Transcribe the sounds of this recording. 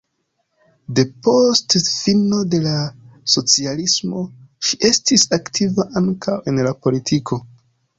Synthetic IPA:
de̞po̞stfino̞de̞laso̞t͡sialismo̞ʃiʔe̞stisaktʰivaʔaŋkawe̞nlapo̞litʰikʰo̞

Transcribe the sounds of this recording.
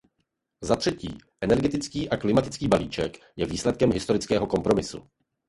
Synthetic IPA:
zat̪r̥ɛcḭːʔɛnɛɾɡɛt̪ɪt͡skiːʔaklɪmat̪ɪt͡skiːbaliːt͡ʃɛ̰k | jɛviːslɛt̪̚kɛmɦɪst̪oɾɪt͡skɛːɦo̞ko̞mpɾo̞mɪsṵ

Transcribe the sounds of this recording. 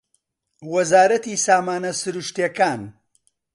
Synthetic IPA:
wɐzaːɾɐt̪isaːmaːnɐsɨɾuʃt̪ekaːn

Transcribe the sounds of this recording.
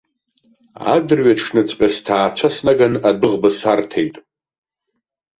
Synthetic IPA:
a̰dɨrɥaʈ͡ʂʰnɨt͡sʰʼpʲʼastʰaːt͡ʃʷʰasnaɡanadɨʁbɨsartʰejtʼ

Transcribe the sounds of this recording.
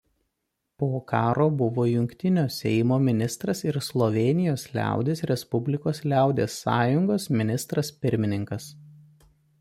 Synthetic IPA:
poːkɑːɾoːbʊʋoːjʊŋʲkʲt̪ʲɪnʲoːsʲɛɪmoːmʲɪnʲɪst̪ɾɐsɪɾslˠɔʋʲɛːnʲɪjoːslʲæ̰ˑʊd̪ʲeːsɾʲɛspʊbʲlʲɪkoːslʲæˑʊd̪ʲeːsːɑ̰ːjʊŋɡoːsmʲɪnʲɪst̪ɾɐspʲɪɾʲmʲɪnʲɪŋkɐs

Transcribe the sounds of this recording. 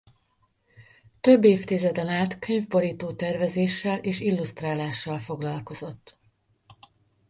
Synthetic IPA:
t̪ø̞bːeːft̪izɛd̪ɛnaːt̪køɲvboɾiːt̪oːt̪ɛrvɛzeːʃːɛleːʃilːust̪raːlaːʃːɒlfo̞ɡlɒlko̞zo̞t̪ː

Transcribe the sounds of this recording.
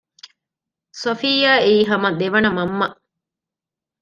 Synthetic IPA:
sofijaːiːɦɐmɐd̪eʋɐnɐmɐmːɐʔ

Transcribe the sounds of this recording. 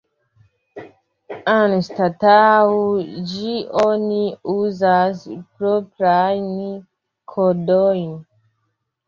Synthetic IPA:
anstataod͡ʒiʔoniuzaspɾopɾajn | kʰodojn

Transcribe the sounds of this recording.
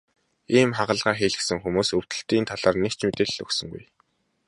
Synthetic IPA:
iːmχaʁə̆ɮʁaːxeːɮɘ̆ksɘ̆ŋxumuːsɵw̥t̪ɵ̆ɬt̪iːnt̪ʰaɮaːrnekt͡ɕmet̪eːɮɵ̰ksɵ̆ŋɡṵj

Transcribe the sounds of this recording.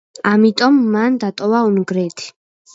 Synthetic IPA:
amit̪ʼɔmːand̪at̪ʼɔvaunɡɾɛt̪ʰi̥

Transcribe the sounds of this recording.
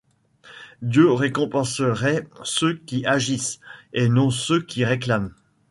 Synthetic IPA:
d̪jøʁekɔ̃pɑ̃səʁɛsøkʲiaʒisenɔ̃søkʲiʁeklam

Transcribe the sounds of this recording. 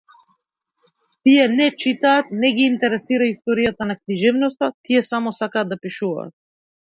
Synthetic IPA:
t̪ijɛnɛt͡ʃit̪aːt̪̚nɛɡiːnt̪ɛɾɛsiɾaist̪ɔɾijat̪anakniʒɛvnɔst̪at̪ijɛsamɔsakaːd̪apiʃuva̰ːt̪̚

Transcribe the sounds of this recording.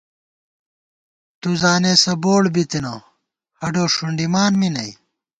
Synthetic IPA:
t̪uzaːneːsɐboːɽbit̪ino̰ | hɐɖoːʂuɳɖimaːnminɐij

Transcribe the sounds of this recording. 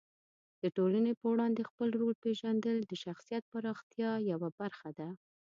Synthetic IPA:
d̪̥əʈolanepəwɽɑnd̪expəlɾoɽ̚peʒand̪əld̪əʃaxsijat̪̚paɾɑxt̪jɑjawabaɾxad̪a

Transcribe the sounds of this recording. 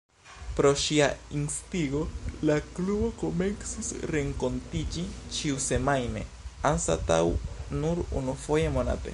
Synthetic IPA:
pɾo̞ʃiainst̪iɡo̞laklubo̞komensisɾe̞ŋko̞ntid͡ʒit͡ʃiuse̞majne̞̰ | ansa̰t̪a̰wnuɾṵnufo̞jemo̞na̰te̞̰

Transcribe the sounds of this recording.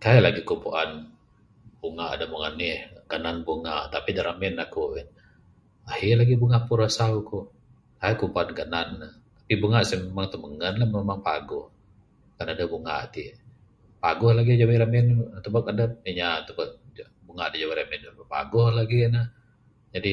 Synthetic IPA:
kajalaɡikumpuʔan | buŋaʔa̰damuŋanɪhɡ̥ananbuŋaʔt̪apidaɾamɛnakun | ahilaɡibuŋahpuɾasaukuʔ | kajakumpuanɡananːah | t̪ḁpibuŋaʔsɛmemaŋt̪uməŋənlahmemaŋpa̰ɡɔh | kanadabuŋa̰ʔt̪i | paɡɔhlaɡid͡ʒawiɾamɪnt̪ubakadaiɲat̪əbak̚ | buŋaʔadad͡ʒawiɾamɛnbəpa̰ɡɔhlaɡinah | d͡ʒadi

